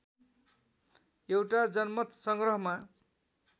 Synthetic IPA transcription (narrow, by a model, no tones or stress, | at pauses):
ewʈad͡zʌnmʌt̪sʌŋɡrʌɦʌma